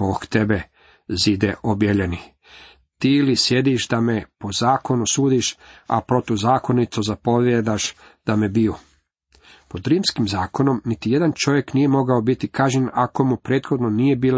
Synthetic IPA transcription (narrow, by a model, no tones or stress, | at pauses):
okt̪ebe | zid̪eʔobjelʎeni | t̪ilisje̞d̪iʃd̪ame̞po̞zaːko̞nusuːd̪iʃa̰pɾo̞t̪uzaːko̞nit̪sozapo̞ʋjed̪aʃ | d̪̥amebio | po̞d̪ɾiːmskimzaːko̞no̞mnit̪ije̞d̪ant͡ʃo̞ʋje̞knije̞mo̞ɡaobit̪ikaːʒɲenako̞mupɾeːt̪xo̞d̪no̞nije̞biːl